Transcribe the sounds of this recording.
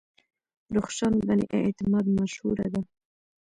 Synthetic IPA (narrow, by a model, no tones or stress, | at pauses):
ɾuxʃanbanḭʔḛt̪ɪmɑd̪maʃhuɾa̰d̪a